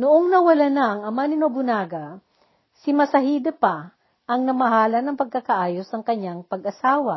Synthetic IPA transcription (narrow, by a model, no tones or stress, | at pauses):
nʊʔoŋnɐwɐlanɐʔɐŋɐmanɪnobʊnaːɡɐ | sɪmɐsɐhid̪ɐpa | ʔɐŋnɐmɐɦaːlɐnɐŋpɐɡ̚kakɐʔaːjosnɐŋkɐɲːaŋpɐɡʔɐsaːwɐ